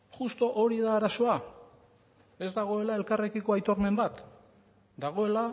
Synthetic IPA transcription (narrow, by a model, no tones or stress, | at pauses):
χust̪o̞ʔoɾiðaːɾaso̞a | e̞zd̪aɣ̞o̞e̞lae̞lkarekiko̞ajt̪o̞ɾme̞mbat̪ | d̪aɣ̞o̞e̞la